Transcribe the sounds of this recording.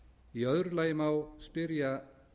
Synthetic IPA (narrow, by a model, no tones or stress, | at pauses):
iœðɾlaːjɪmawspɪɾja